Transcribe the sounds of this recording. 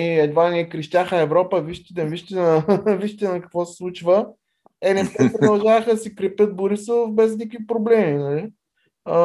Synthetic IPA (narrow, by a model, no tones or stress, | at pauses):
iɛd̪vaniɛkɾiʃt̪ʲaxəɛvɾɔpəviʃt̪i̥t̪ɛviʃt̪inɐviʃt̪it̪ɛnɐkɐ̥kvɔsɛ̥slˠut͡ʃvə | ɛnɛpt̪ɛpɾod̪ɐlˠʒavəxəd̪ɐsikɾipət̪̚bʊɾisofbɛznikvipɾoblɛminɐli